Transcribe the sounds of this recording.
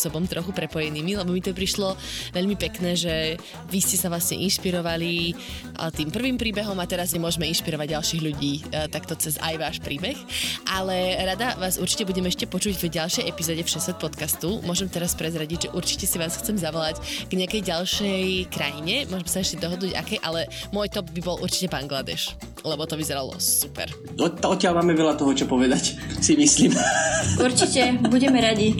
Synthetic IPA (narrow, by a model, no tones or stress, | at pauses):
sɔbɔmt̪ɾɔxupɾɛpɔjɛniːmilɛbɔmit̪ɔpɾiʃlɔʋɛʎmipɛknɛːʒɛ | ʋiscɛsaʋlasɲɛ̰ʔinʃpiɾɔʋalḭ | t̪iːmpr̩ʋiːmpɾiːbɛɦɔmat̪ɛɾazɛmʊɔʒmɛinʃpiɾɔʋaɟ̚ɟalˠʃiːɣʎuɟiːt̪akt̪ɔt͡sɛza̰jʋaːʃpɾiːbɛxʔalɛɾad̪aʋaːzuɾt͡ʃi̥cɛbuɟɛmɛʃcɛpɔt͡ʃuɟvɟalˠʃɛjɛpizɔːɟɛfʃɛsɛt̪̚pɔt̪kast̪umʊɔʒɛmt̪ɛɾaspɾɛzɾaɟiɟʒɛʔuɾt͡ʃi̥cɛsiʋaːsxt͡sɛmzaʋɔlaɟɡ̥ɲɪakɛjɟalˠʃɛjkɾajiɲɛmʊɔʒɛmɛsaɛʃcɛd̪ɔɦɔd̪nuːɟa̰kɛjʔalɛmʊɔjt̪ɔbbibɔlʔṵɾt͡ʃi̥cɛbaŋɡlad̪ɛ̰ʃ | lɛbɔt̪ɔʋizɛɾalɔ̰supɛ̰ɾ | ɔɔt̪ːɪalmaːmɛʋɛlat̪ɔɦɔt͡ʃɔpɔʋɛd̪acsimisliːmuɾt͡ʃicɛbuɟɛmɛɾaɟi